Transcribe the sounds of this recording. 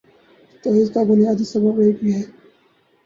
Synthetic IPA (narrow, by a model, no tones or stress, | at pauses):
t̪oːɪzkabʊnijaːd̪isɐbəbeːkbiɦɛː